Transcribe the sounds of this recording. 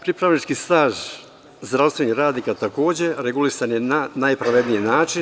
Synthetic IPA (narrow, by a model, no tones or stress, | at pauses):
pɾipɾaʋnit͡ʃkist̪aːʒ | zd̪ɾast̪ʋe̞nihɾaːd̪nikat̪ako̞ːd͡ʑe̞ɾeɡulisanjenanajpɾaʋed̪nijenaːt͡ʃin